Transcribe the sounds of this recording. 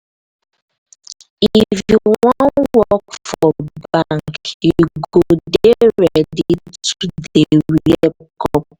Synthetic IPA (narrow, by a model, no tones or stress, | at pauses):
ifjjuwwwɔ̃nnwɔkfɔbaŋkjuɡodeɹɛditudeɾiɛp̚kʰɔp̚